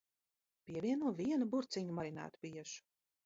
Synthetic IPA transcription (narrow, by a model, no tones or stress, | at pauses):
pʲiɛviɛnuɔvʲiɛnubuɾt̪sʲiɲumaɾina̰ːt̪u̥piɛʃu̥